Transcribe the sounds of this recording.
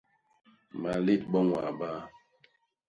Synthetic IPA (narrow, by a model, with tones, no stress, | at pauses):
ma˨le˦˨t̚bɔ˦ŋwa̰˨ba˦